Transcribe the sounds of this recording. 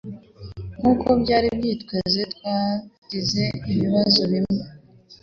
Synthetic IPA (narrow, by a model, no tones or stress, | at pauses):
ŋukʰo̞bɟaːɾibjiːtwe̞zetkwaːɟ̥ize̞iβiβazo̞βimŋe